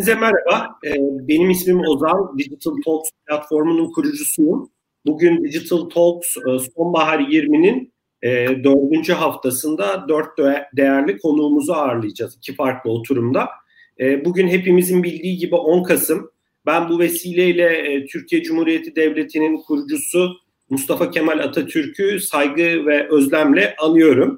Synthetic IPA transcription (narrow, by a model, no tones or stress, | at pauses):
zɛmɛɾabaɛːbe̞nimismimo̞zand̪id͡ʒit̪ʰɯlʲˠt̪ʰolˠksplʲat̪fo̞ɾmununkʰuɾud͡ʒusujum | buɟynd̪id͡ʒit̪ʰɯlʲˠt̪ʰo̞lˠksso̞nbaɦaɾjiɾminin | ɛːd̪ø̞ɾd̪ynd͡ʒyɦaft̪ʰasɯnd̪ad̪øɾt̪̚d̪d̪e̞jæɾlʲikʰo̞nuːmuzuaɾlˠɯjad͡ʒazicʰifaɾklˠɯo̞t̪ʰuɾumd̪a | ɛːbuɟynɦe̞pimizinbilʲd̪iːɟibiʔo̞nkʰasɯm | bænbuve̞siːlʲejilʲɛt̪ʰyɾcʰijɛd͡ʒumhuːɾijet̪ʰid̪ɛvlʲe̞t̪ʰininkʰuɾud͡ʒusu | must̪ʰafacʰe̞mælʲat̪ʰat̪ʰyɾcʰysajɡɯvɛʔø̞zlʲæmlʲɛʔanˠɯjo̞ɾum